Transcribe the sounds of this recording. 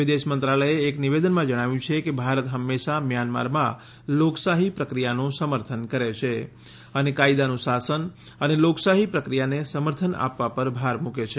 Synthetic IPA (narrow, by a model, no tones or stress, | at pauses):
ʋɪd̪eʃmənt̪ɾaləeːkniʋed̪ənmãd͡ʒəɽ̃aʋjũt͡ʃʰekebʱaɾət̪ɦəmːeʃamjanma̰ɾmã̰ | loksaɦipɾəkɾijanũsəməɾt̪ʰənkəɾet͡ʃʰe | ənekaid̪anũsasən | əneloksaɦipɾəkɾijanesəməɾt̪ʰəna̰pʋapəɾbʱaɾmuket͡ʃʰe